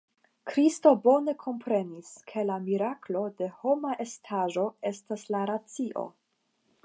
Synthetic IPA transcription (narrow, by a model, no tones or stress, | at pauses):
kɾisto̞bo̞ne̞kʰo̞mpɾe̞niskʰe̞lamiɾaklo̞de̞ho̞maʔestʰaʒo̞e̞staslaɾat͡siʔo̞̰